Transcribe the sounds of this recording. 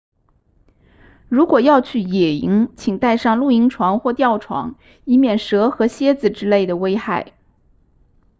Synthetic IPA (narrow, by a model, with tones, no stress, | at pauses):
ɻu˧˥kwɔ˨˩jɑ˥˧ʊt͡ɕʰy˥˩jɛ˨˩i˧˥ŋt͡ɕʰi˨˩ŋt̪a˥˧ɪʂɑ˥˧ŋlu˥˩i˧˥ŋʈ͡ʂʰwɑ˧˥ŋxwɔ˥˧t̪jɑ˥˩ʊʈ͡ʂʰwɑ̰˧˥ŋ | i˥mjɛ˥˩nʂɤ˧˥xɤ˧˥ɕjɛ˥d͡zɹ̩˨˩ʈ͡ʂɻ̩˥le˥˩ɪd̪ə˩we˥ɪxa˥˩ɪ